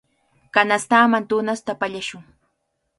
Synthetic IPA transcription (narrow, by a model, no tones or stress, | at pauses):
kanast̪aːmant̪ʊnast̪apaʎaʃʊŋ